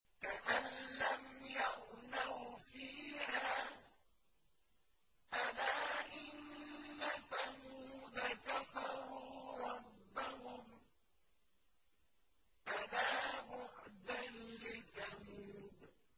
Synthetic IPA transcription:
taʔalːamjaʔnawfiːhaː | ʔalaːʔɪnːaθamuːd̪akafɑɾuːɾˤɑbːahʊm | ʔalaːbʊʕd̪anlɪθamuːd̪

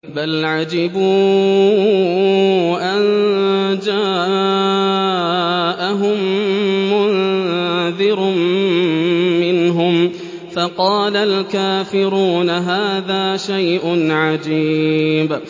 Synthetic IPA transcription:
balʕad͡ʒɪbuː | ʔan | d͡ʒaːʔa | ʔaɦʊmː | ʊn | ðɪɾm | ɪnɦʊm | fɑqɑːlalkaːfɪɾuːnaɦaːðaːʃajʔʊnʕad͡ʒiːb

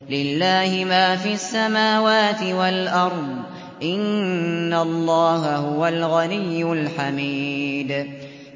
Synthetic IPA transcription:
lɪlːaːhɪmaːfiːasːamaːwaːt̪ɪwalʔɑɾˤd̪ˤ | ʔɪnːalˤːɑːɦahʊwalɣanɪjːʊlħamiːd̪

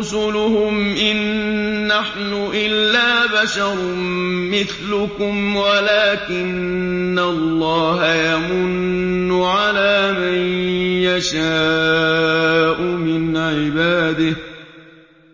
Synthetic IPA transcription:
ʊsʊlʊhʊmʔɪnː | aħnʊʔɪlːaːbaʃɑɾˤ | mɪθlʊkʊmwalaːkɪnː | alːɑːɦajamʊnːʊʕalaːmanjaʃaː | ʔʊmɪnʕɪbaːd̪ɪh

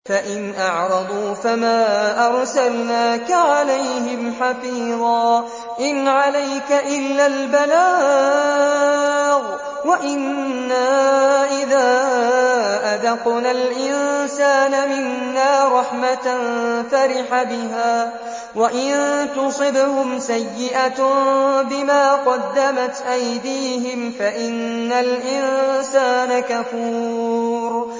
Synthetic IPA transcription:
faʔɪnʔɑʕɾˤɑd̪ˤuːfamaːʔɑɾˤsalnaːkaʕalajhɪmħafiːðˤɑː | ʔɪnʕalajkaʔɪlːaːlbalaː | ɣ | waʔɪnːaːʔɪðaː | ʔaðɑqnalʔɪnsaːnamɪnːaːɾˤɑħmat̪nfaɾɪħabɪɦaː | waʔɪnt̪ʊsˤɨbʊhʊmsajːɪʔa | bɪmaːqɑd̪ːamat̪ʔajd̪iːɦɪmfaʔɪnːalʔɪnsaːnakafuːɾ

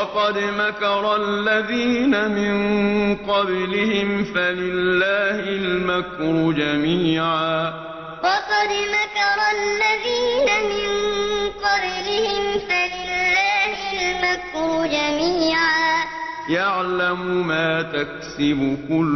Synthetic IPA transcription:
ɑqɑd̪makɑɾˤɑllːaðiːnamɪnqɑblɪhɪmfalɪlːaːhɪlmakɾˤʊd͡ʒamiːʕaː | wɑqɑd̪makɑɾˤlːaðiːnamɪnqɑblɪhɪmfalɪlːaːhɪlmakɾʊd͡ʒamiːʕaː | jaʕlamʊmaːt̪ak̚sɪbʊkʊl

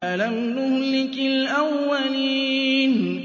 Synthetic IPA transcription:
alannʊhlɪkɪlʔawːaliːn

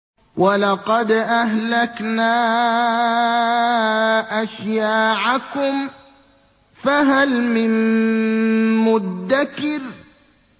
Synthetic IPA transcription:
wʔalɑqɑd̪ʔaɦlaknaː | ʔaʃjaːʕakʊm | faɦalmɪm | mʊd̪ːakɪɾ

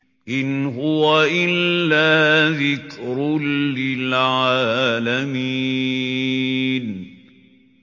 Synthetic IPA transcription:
ʔɪnɦʊwaʔɪlːaːðɪkɾʊlːɪlʕaaːlamiː | n

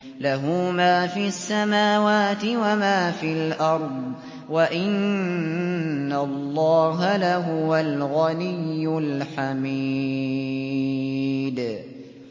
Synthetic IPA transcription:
laɦuːmaːfiːʔasːamaːwaːt̪ɪwamaːfiːalʔɑɾˤd̪ˤ | waʔɪn | alˤːɑːɦalaɦʊwalɣanɪjːʊlħamiː | d̪

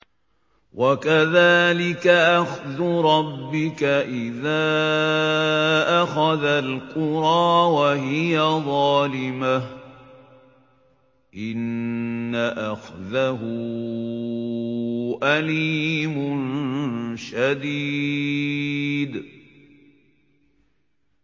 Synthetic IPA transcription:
wakaðaːlɪkaʔaxðʊɾˤɑbːɪkaʔɪðaː | ʔaxaðalqʊɾˤɑːwaɦɪjaðˤɑːlɪma | ʔɪnː | aʔaxðaɦʊ | ʔaliːmʊn | ʃad̪i | d̪

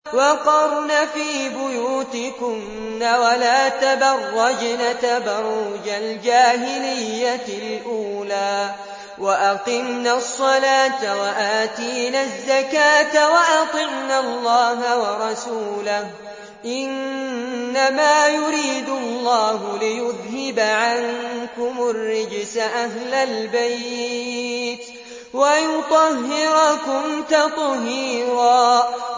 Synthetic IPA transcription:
wɑqɑɾˤnaːfiːbʊjuːt̪ɪkʊm | naːwalaːt̪abɑrˤːɑd͡ʒnat̪abɑɾˤʊd͡ʒald͡ʒaːɦɪlɪjːalʔuːlaː | waʔɑt̪ɪmnasˤːɑlaːt̪awaʔaːt̪iːnazːakaːt̪awaʔɑt̪ˤɪmnalːɑːɦawɑɾˤɑsuːlah | ʔɪnː | amaːjʊɾiːd̪ʊllːɑːɦʊlɪjʊðhɪbaʕaŋkʊmʊrːɪd͡ʒsaʔaɦlalbaj | t̪ | wajʊt̪ˤɑhːɪɾakʊmt̪ɑt̪ˤɦiːɾɑː

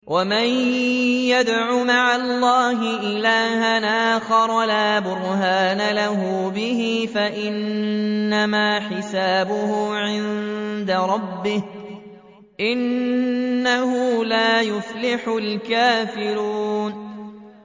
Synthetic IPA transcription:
wʔamanjad̪ʕuːmaʕalˤːɑːɦɪʔɪlaːhanʔaːxɑɾˤɑlaːbʊɾhaːnalaɦʊbɪɦiːfaʔɪnː | amaːħɪsaːbʊhʊʕɪnd̪aɾˤɑbːɪh | ʔɪnː | ahʊːlaːjʊflɪħʊlkaːfɪɾuːn

